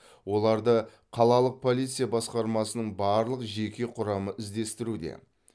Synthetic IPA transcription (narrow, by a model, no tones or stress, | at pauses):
wo̞lˠɑɾd̪ə | qʰɑlˠɑlˠəq̚pʰo̞lʲijt̪sɨjabɑsqɑɾmɑsənəɴbɑɾlˠəqʒe̞kʲe̞qʰʊɾɑməʔɪzd̪e̞st̪ɪɾud̪e̞̰